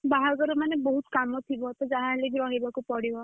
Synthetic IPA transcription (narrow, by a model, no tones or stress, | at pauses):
baɦaɡɔɾumaneboɦut̪kamɔt̪ʰibɔt̪ɔd͡ʒaɦãliɡɾɔɦibakupɔɽibɔ